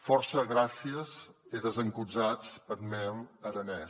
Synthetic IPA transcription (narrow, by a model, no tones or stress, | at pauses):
fɔɾsəɣɾasiəziðəzəŋkud͡zat͡spəɾmɛməɾənɛ